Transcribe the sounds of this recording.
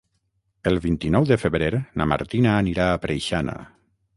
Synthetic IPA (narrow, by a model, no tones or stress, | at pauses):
əlˠβint̪inɔwðəfəβɾeɾna̰ma̰ɾt̪inaːniɾaːpɾʔejʃana̰